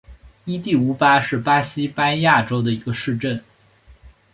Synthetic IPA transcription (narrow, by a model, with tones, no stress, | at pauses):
i˥t̪i˥˩u˥pa˥ʂɻ̩˥˩pa˥ɕi˥pa˥nja˥˩ʈ͡ʂo˥ʊd̪ə˨i˧˥ɡə˧ʂɻ̩˥˧ʈ͡ʂə˥˩n